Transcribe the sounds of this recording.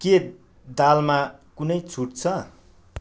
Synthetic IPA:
ke | d̪almakunʌjt͡sʰuʈ̚t͡sʰʌ

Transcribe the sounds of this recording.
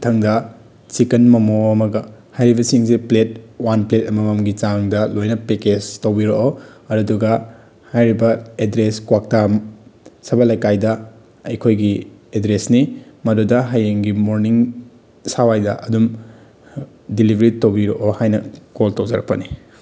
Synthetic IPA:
tʰɐŋdɐ | t͡ʃikɐnmɐmoɐmɐɡɐhajɾibɐsiŋsiplet̚wanpletɐmɐmɐmɡit͡ʃaŋdɐlojnɐpeked͡ʒtowbiɾoʔoɐɾɐduɡɐ | hajɾibɐedɾeskwak̚tamsɐbɐlɐjkajdɐ | ɐjkʰojɡiedɾesnimɐdudɐɦajeŋɡimoɾniŋ | sawajdɐʔɐdum | dilibʱɾitːowbiɾoʔohajnɐkoltowd͡ʒɐɾɐk̚pɐni

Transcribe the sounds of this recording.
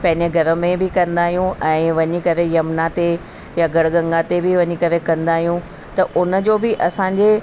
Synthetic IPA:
pɐ̃ɦɪ̃ɲd͡ʑəɡʱɐɾə̆mẽbɪkɐ̃nd̪aːɦijũʔɛ̃ːʋɐɲikɐɾejɐmnat̪e | jaɡɐɽɡɐ̃ŋɡat̪ebɪʋɐɲikɐɾekɐ̃nd̪aːɦijũ | t̪ɐʔʊnəd͡ʑoːbɪʔɐsãːɲd͡ʑeː

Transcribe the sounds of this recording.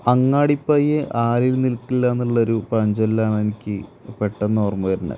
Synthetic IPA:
ɐŋːaːɽipːɐːjeʔaːlilnilkːilːɐenːuɭːɐoɾupɐɲd͡ʑollaːɳe̞nikʲːɨpeʈːɐnːoːrmuɣɐɾinɐ̰

